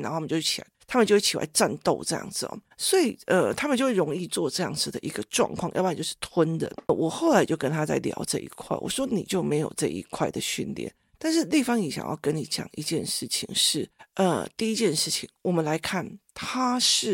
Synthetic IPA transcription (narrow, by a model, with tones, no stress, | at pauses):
n˨˧˥o˥˧˨jo˥˧˩ʂt͡ɕʰi˨˩la̰˧˥t̪ʰa˥mə˨nt͡ɕo˥˧ʊʂt͡ɕʰi˨˩la̰˧˥ɪʈ͡ʂa˥˧nt̪o˥˧ʊʈ͡ʂɤ˥˧jɑ̰˥˩ŋd͡zɹ̩˨˩lɔ̰˨˩ | swɔ˧˥i˨˩ʔə˧t̪ʰa˥mə˨nt͡ɕo˥˧ʊʂɻo˧˥ŋi˥˧t͡swɔ˥˧ʈ͡ʂɤ˥˧jɑ̰˥˩ŋd͡zɹ̩˨˩d̪ə̰˩ʔi˧˥ɡə˧ʈ͡ʂwɑ̰˥˧ŋkʰwɑ̰˥˧ŋʔpa˥˧˨t͡ɕjo˥˧ʊʂɻ̩˥˩t̪ʰwə˥nd̪ə̰˨˩wɔ˨˩xo˥˩ʊla˨˧ɪt͡ɕjo˥˩ʊkə˥nt̪ʰa˥t͡sa˥˩ɪljɑ̰˧˥ʊʈ͡ʂɤ̰˥˧˩ʔḭ˧˥kʰwa̰˥˩ɪwɔ̰˨˩ʂwɔ˥ni˨˩t͡ɕjo˥˩ʊme˧˥ɪjo˨˩ʊʈ͡ʂɤ̰˥˧˩ʔḭ˧˥kʰwa˥˩ɪd̪ə˨ɕy̰˥˩nljɛ̰˥˩˦n | t̪a˥˧nʂ̬ɻ̩˥˧li˥˩fɑ˥˩ŋni˨˥ɕjɑ̰˨˩jɑ̰˥˩ʊkə˦˥nni˨˥t͡ɕjɑ̰˨˩ŋi˧˥t͡ɕjɛ˥˧nʂɻ̩˥˩t͡ɕʰḭ˧˩˥ŋʂɻ̩˥˩ʔə̰˧t̪i˥˩i˧˥t͡ɕjɛ˥˧nʂɻ̩˥˩t͡ɕʰi˧˩ŋwɔ˨˩mə˦nla˧˥ɪkʰa˥˩nt̪ʰa˥ʂɻ̩˥˩